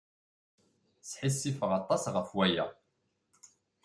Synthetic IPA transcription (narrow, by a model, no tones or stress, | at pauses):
sħisːifəʁɑt̪ˤːɑsʁəfwæjæ̰